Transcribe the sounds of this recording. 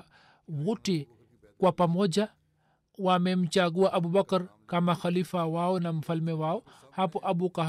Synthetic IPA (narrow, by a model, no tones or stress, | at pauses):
wutɛ | kwapamɔd͡ʒa | wamɛm̩t͡ʃaɡuwaʔabubakaɾkamaxalifawawɔnam̩falmɛwawɔ | hapɔʔabuka